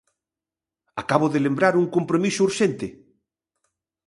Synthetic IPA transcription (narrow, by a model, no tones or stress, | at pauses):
akaβoðelembɾaɾuŋkompɾomisouɾʃent̪ɪ